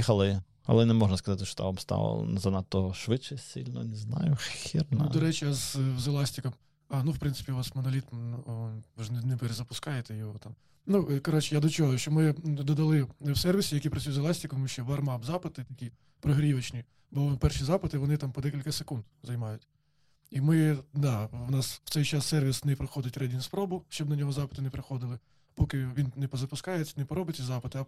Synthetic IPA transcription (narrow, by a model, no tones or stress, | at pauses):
ixɐlˠɪ | ɐ̰lˠɛnɛmɔʒnɐskɐzɑt̪ɪʃt͡ʃɔt̪ɔ̰ʋamst̪ɑ̰lˠɔ̰zɐnɑt̪ːɔʃʋɪt͡ʃːɛsʲḭlʲnɔ̰nɛznɑ̰jʊxʲirnnud̪ɔɾɛt͡ʃɪjazzelˠɑsʲtʲikɐm | ɑnuwpɾɪnsɪ̥pʲiʊʋɑsmɔnɐlʲit̪m | ʋɪʒnnɛpeɾezɐpʊskɑjet̪ɛjɔɦɔt̪ɑm | nukɔɾɔt͡ʃɛjad̪ɔt͡ʃɔɦɔʃt͡ʃɔmɪd̪ɔd̪ɐlˠɪwsɛrʋʲisʲijɐkʲijpɾɐt͡sʲujzʲɐlˠɑsʲtʲikɔmuʃt͡ʃɛʋɐrmɑbzɑpɪt̪ɪt̪ɐkʲi | pɾɔɦɾʲiʋɐt͡ʃnʲi | bpɛrʃizɑpɪt̪ɪʋɔnɪt̪ɑmpɔd̪ɛkʲilʲkɐsekund̪zɐjmɑjʊtʲ | imɪd̪ɑwnɑswt̪sɛjt͡ʃɑsːɛrʋʲisnɛpɾɔxɔd̪ɪtʲrɛdʲinʲspɾɔbʊʃt͡ʃɔbnɐnʲɔɦɔzɑpɪ̥t̪ɪnɛpɾɪxɔd̪ɪlˠɪ | pɔkɪʋʲinnɛpɔzɐpʊskɑjet͡sʲːɐnɛpɔɾɔbɪt̪ʲsʲizɑpɪt̪ɪɐ